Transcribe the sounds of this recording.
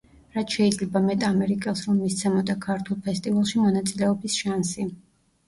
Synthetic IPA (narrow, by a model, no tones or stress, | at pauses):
ɾat̪ʰʃɛid̪zlɛbamɛt̪ʼamɛɾikʼɛlˠsɾɔmmist̪sʰɛmɔd̪akʰaɾt̪ʰulˠpʰɛst̪ʼivalˠʃimɔnat̪sʼilɛɔbisʃansi